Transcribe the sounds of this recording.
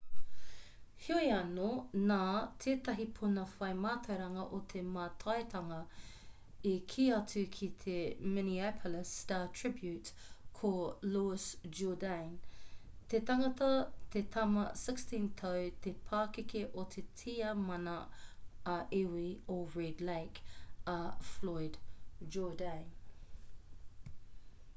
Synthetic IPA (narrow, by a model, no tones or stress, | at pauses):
hioiɐnonaːt̪ʰeːt̪ɐɦipʰunɐfɐjmaːt̪ʰɐwɾɐŋɐʔot̪ʰemaːtʰɐetʰɐŋɐ | ikʰiːɐtʉkʰit̪ʰemɪniapʰoləstaːtʰɹ̥ɪbjʉt | kʰoluɪsd͡ʒudãn | t̪ʰet̪ɐŋɐtɐt̪ʰet̪ʰɐmɐsɪkstĩnt̪ʰɐwt̪ʰepʰaːkɪkeʔot̪ʰetʰiːɐmɐnɐ | ɐʔewioɹɛdleɪkɐfloɪd̥d͡ʒɔːdɛ̃ɪn